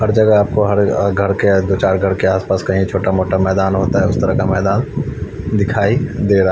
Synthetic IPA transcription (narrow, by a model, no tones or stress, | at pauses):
ɦɐɾd͡ʒɐɡaaːp̚koɦɐɾɡʱɐɾked̪oːt͡ʃaːɾɡʱɐɾkeaːspaːskɐɦĩt͡ʃʰoːʈamoːʈamɛːd̪aːnɦoːt̪aɦɛʊst̪ɐɾəkamɛːd̪aːn | d̪ɪkʰaːid̪eːɾa